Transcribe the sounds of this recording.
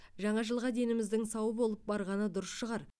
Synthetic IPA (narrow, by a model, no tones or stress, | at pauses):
ʒɑɴɑʒəlˠʁɑd̪e̞nɪmɪzd̪ɪŋsɑwəbo̞lˠəp̚bɑɾʁɑnəd̪ʊɾəsʃəʁɑɾ